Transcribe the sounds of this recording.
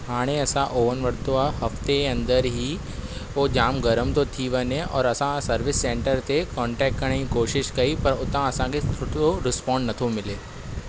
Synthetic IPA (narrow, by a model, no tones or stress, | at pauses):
ɦaːɽ̃eɐsãʔoːʋənʋəɽt̪oahɐft̪eɐ̃nd̪əɾɦiː | od͡ʒaːmɡɐɾəmt̪ot̪ʰiʋɐneʔɔ̰ːɾɐsãsɐɾʋɪsːẽːɳʈəɾt̪ekɔ̃ːɳʈɛːkʈ̚kɐɽ̃eɦikoːʃɪʃkɐipɐɾʊt̪ãɐsãket̪ʰʊʈoɾɪspɔ̃ːɳɖnɐt̪ʰomɪleː